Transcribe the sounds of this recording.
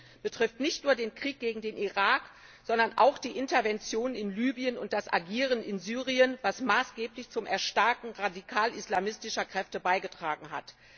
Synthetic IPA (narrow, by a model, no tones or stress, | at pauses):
b̥ətʁ̥ɪftnɪçtnuːɐdeːnkʁ̥iːk̚ɡ̥eːɡŋ̩deːnʔiʁaːk | z̥ɔndɐnʔa̰ʊxd̥iːʔɪntɐvɛnt͡sjoːnənɪnlyːbiənʊnt̚d̥asʔa̰ɡiːʁənɪnzyːʁiənvasmaːsɡ̥eːplɪçt͡sʊmʔɛɐʃtaɐkŋ̩ʁadikʰaːlʔislamɪstɪʃɐkʁ̥ɛftəbaɪɡətʁ̥aːɡŋ̩ɦa̰t